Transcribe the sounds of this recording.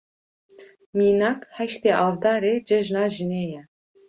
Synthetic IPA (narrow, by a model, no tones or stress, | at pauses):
miːnɑːkhɛʃt̪eːʔɑːvd̪ɑːɾeːd͡ʒɛʒnɑːʒɨneːjɛ